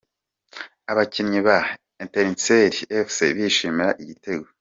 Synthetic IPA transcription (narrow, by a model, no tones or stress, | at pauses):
aβacinɲiβa | enteɾinseɾiefsḛβiʃiːmiɾaʔiɟite̞ɡwo